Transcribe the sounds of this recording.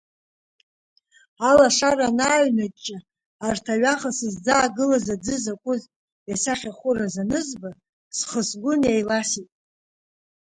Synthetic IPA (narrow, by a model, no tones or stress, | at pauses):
alaʂaɾanaːɥnat͡ʃʼːa | artʰaɥaχasɨzd͡zaːɡɨlazad͡zɨzakʷʼʊz | jasaχʲaχʷʊrazanɨzba | sχəsɡʷʊnjajlasitʼ